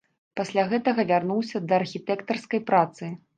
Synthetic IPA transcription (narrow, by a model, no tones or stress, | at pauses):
pasʲlʲaɣɛt̪ɐɣɐvʲarnuwsʲɐd̪ɐːrxʲit̪ɛkt̪ɐrskɐjpɾat̪sɨ